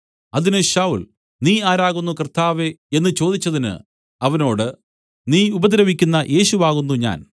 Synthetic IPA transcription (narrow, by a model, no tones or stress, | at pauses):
ɐðinɨɕawul | niːaːɾaːɣunːukɐrt̪aːʋee̞nːɨt͡ɕo̞ːd̪it͡ɕːɐðinɨ̰ | ɐʋɐno̞ːɽɨ | niːubɐd̪ɾɐʋikʲːunːɐʔe̞ːɕuʋaːɣunːuɲa̰ːn